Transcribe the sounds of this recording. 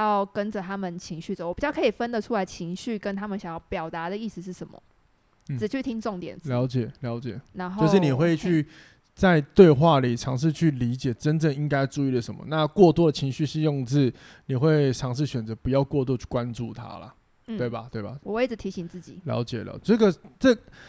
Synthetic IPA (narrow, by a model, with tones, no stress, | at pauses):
ɑ˥˩ʊkə˦nd͡zə˨˩t̪ʰa˥mə˨nt͡ɕʰi˧˥ŋɕy˥˩d͡zə˨˩wɔ˨˩pi˨˩t͡ɕjɑ˥˩kʰɤ˧˥i˨˩fə˦nd̪ə˨ʈ͡ʂʰu˥la˧˥ɪt͡ɕʰi˧˥ŋɕy˥˩kə˦nt̪ʰa˥mə˨nɕjɑ˨˩ŋjɑ˥˩ʊpjɑ˨˩ʊt̪a˧˥d̪ə˨i˥˧sɹ̩˧˩ʂ̬ɻ̩˥˩ʂə˨˧˦mə̰˨˩ | t͡sɻ̩˨˩t͡ɕʰy˥˩t̪ʰi˥ŋʈ͡ʂo˥˨ŋt̪jɛ̰˨˩˦nt͡sljɑ˨˦ʊt͡ɕjɛ˨˩ljɑ˧˦ʊt͡ɕjɛ̰˨˩˦na˧˦njo˧ʊʂɻ̩˥˨ni˨˩xwe˥˧ɪt͡ɕʰy˥˩ | t͡sa˥˧ɪt̪we˥˧ɪxwa˥˩li˨˩ʈ͡ʂʰɑ˧˦˥ŋʂ̬ɻ̩˥˧t͡ɕʰy˥˩li˧˥t͡ɕjɛ˨˩ʈ͡ʂə˦nʈ͡ʂə˥˨ŋi˦˥ŋka˥ɪʈ͡ʂu˥˧i˥˩lə˩ʂə˧˦mə̰˨˦na˥˧kwɔ˥˧t̪wɔ˥də˨t͡ɕʰi˧˥ŋɕy˥˧ʂ̩˥˧jo˥˧ŋt͡sɹ̩˥˩ | ni˨˩xwe˥˩ɪʈ͡ʂʰɑ˧˥ŋʂ̬ɻ̩˥˩ɕɥɛ˨˩nt͡sɤ˧˦pu˧˦jɑ˥˧ʊkwɔ˥˧t̪wɔ˥˧t͡ɕʰy̥˥˩kwa˦nʈ͡ʂu˥˩t̪ʰa̰˥lə̰˨ | t̪we˥˩ɪba˩t̪we˥˩ɪba˩wɔ˨˩we˥˩ɪd͡zə˨t̪ʰi˧˥ɕi˧˥ŋt͡sɹ̩˥˩t͡ɕḭ˨˩˦ljɑ̰˧˦ʊt͡ɕjɛ˨˩l̰ʈ͡ʂə˥˩ɡə˨ʈ͡ʂə˥˧